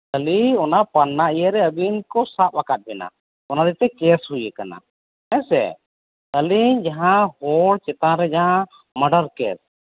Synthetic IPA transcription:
t̪əliɔnapanːaijəɾɛəbinkɔsap̚akat̪̚bɛna̰ | ɔnad̪it̪ɛkɛshujəkana̰ | ɛ̃sɛ̰ | t̪əliɲd͡ʒaɦãhɔɽt͡ʃɛt̪aɾɛd͡ʒaɦã | məɖəɾkɛ̰s

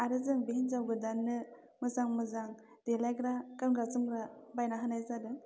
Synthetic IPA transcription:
aɾɯzɯŋbeɦenzawɡɯdanːɯ | mɯzaŋmɯzaŋ | d̥elajɡɾakɯmɡɾasɯŋɡɾabajnaɦanajzadɯ

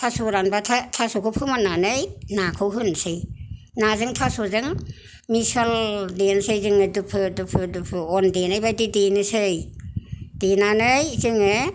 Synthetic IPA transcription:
tʰasoɾanbatʰatʰasokʰɯpʰɯmananɯjnakʰɯwɦɯnsɯj | nazɯŋtʰasozɯŋ | misɯldensɯjzɯŋɯdɯpʰɯdɯpʰɯdupʰɯɔndenajbajdidenɯsɯj | d̥enanɯjzɯŋe

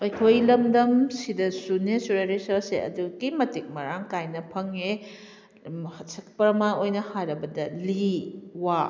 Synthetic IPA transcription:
ɐjkʰojlɐmdɐmsidɐsunesuɾeɾisɐɾseɐ̰duɡimɐtik̚mɐɾaŋkajnɐpʰɐŋe | hɐtsɐk̚pɐɾɐmaojnɐhaɾɐbɐdɐliwa

